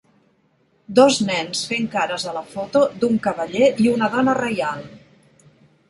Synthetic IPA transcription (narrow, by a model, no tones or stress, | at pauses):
d̪ɔznɛnsfeŋkaɾəzələfot̪od̪uŋkəβəʎeiunəðɔnərəjalˠ